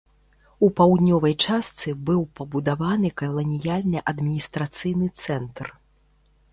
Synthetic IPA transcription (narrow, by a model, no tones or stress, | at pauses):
upawd̪ʲnʲɔvɐjt͡ʂast̪sɨbɨwpɐbud̪avanɨkɐlˠɐnʲijalʲnɨʔɐd̪mʲinʲist̪ɾat̪sɨjnɨt̪sɛnt̪r